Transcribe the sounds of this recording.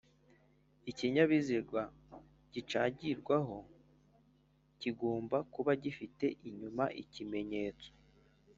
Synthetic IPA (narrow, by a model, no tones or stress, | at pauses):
iciɲaβiziɾɡwa | ɟ̥it͡ʃaːɟiɾɡwaɦo̞ | ciɡoːmbakuβaɟifite̞ʔiɲumaʔicime̞ɲe̞ːt͡so̥